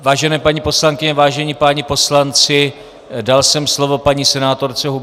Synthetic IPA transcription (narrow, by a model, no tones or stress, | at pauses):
vaːʒɛnɛːpaɲipo̞slaŋkɪɲɛvaːʒɛɲipaːɲipo̞slant͡sɪ | dalsɛmslo̞vo̞paɲiːsɛnaːt̪o̞ɾt͡sɛɦu